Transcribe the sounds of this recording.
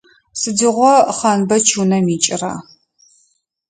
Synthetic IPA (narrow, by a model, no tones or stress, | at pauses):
sɨdɨʁʷɔχɐnbɐt͡ʃʰuːnɐmiːt͡ʃʼɪra̰ː